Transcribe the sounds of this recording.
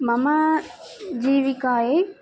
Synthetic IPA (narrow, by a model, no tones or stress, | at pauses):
mama | d͡ʑiːʋikaːɦe